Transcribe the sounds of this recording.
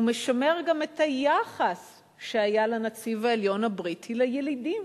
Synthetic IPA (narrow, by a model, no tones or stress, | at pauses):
umeʃame̞ʁɡamethajaχas | ʃeajalanat͡sivaeljo̞nabʁitʰilajelidim